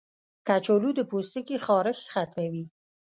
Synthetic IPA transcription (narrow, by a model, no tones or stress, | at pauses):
kat͡ʃolud̪əpost̪əkixɑɾɪxxat̪mawi